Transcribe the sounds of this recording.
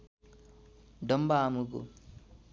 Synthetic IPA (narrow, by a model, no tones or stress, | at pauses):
ɖəmbaːmuɡṵ